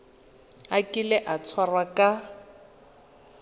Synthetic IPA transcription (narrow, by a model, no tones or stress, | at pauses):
akʼɪlɛʔat͡sʰwarwakʼa